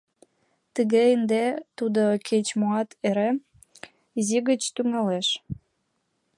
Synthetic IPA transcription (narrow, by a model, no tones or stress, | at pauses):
t̪əɣeənd̪et̪ud̪okʰet͡ɕmoɑt̪eɾe | iziɣət͡ɕt̪yŋɑleʃ